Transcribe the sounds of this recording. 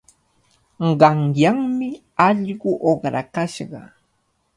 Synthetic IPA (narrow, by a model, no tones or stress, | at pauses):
ɢɑŋjaŋmɪ | ɑʎɢʊʔoχɾa̰kaʃɢɑ̰